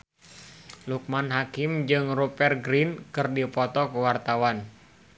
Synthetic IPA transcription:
luk̚manɦakɪmd͡ʒɨŋrupɛrɡɾinkɨrdipɔt̪ɔkəwart̪awan

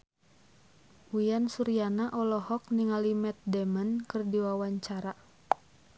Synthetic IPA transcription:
ujansuɾianaʔɔlɔhɔk̚niŋalimɛt̪̚dɛmənkɨrdiwawaɲt͡ʃaɾa

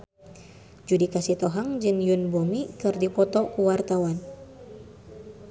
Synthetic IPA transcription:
d͡ʒudikasit̪ɔɦaŋd͡ʒɨŋjunbomikɨrdipɔt̪ɔkuwart̪awan

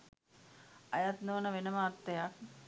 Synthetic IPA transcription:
ajat̪noːnəʋenəməːt̪ːəjak̚

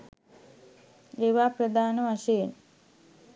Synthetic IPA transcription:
eːʋaːprəd̪aːnəʋaʃejen

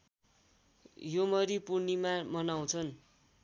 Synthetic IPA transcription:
jomʌɾipurnimamʌnaw̃t͡sʰʌn

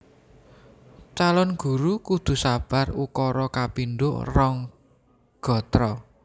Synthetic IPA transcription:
t͡ʃalɔnɡ̥ṳɾukud̪̥ṳsab̥a̤rukɔɾɔkapinɖʊ̰ʔrɔŋ | ɡ̥ɔ̤t̪ɾɔ

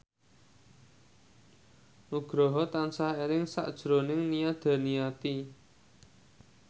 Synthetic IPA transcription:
ʔuɡ̥ɾɔɦɔt̪ansaheɾɪŋsa̰ʔd̥ʒ̥ɾonɪŋnijad̪̥a̤nijat̪i

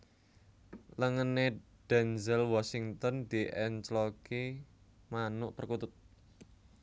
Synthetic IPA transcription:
ləŋənːe | d̥ɛnzɛlwɔsiŋt̪ɔnd̪̥iʔɛnt͡ʃlɔke | manʊʔpərkut̪ʊt̪̚

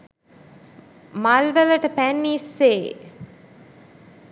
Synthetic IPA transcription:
malʋələʈəpænːisːeː

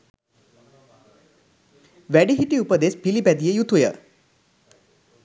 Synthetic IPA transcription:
ʋæɖiɦiʈiupəd̪esbilibæd̪ijəjut̪ʰujə̰

